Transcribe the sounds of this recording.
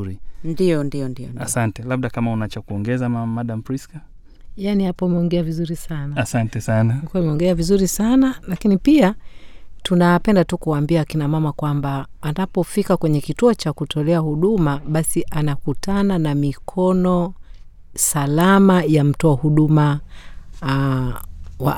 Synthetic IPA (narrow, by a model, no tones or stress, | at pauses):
ɾindijɔndijɔndiɔ̰asantɛlab̚ɗakamaunat͡ʃakuɔŋɡɛzamamamaɗam̩pɾiska | janihapɔmɛɔŋɡɛavizuɾisanaasantɛsanaikɛmɛɔŋɡɛavizuɾisanalakinipia | tunapɛndatukuaːmbiaːkinamamakwambaːnapɔfikakwɛɲɛkituɔt͡ʃakutʰɔlɛahuɗumaɓasiʔanakutʰananamikʰɔnɔ | salamajam̩tɔahuɗuma | wa̰